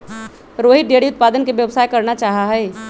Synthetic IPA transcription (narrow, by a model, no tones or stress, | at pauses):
ɾoːɦɪʈ̚ɖeːɽiʊt̪̚paːd̪ənkeʋjəʋsaːjkɐɾnat͡ʃaːɦaɦɛː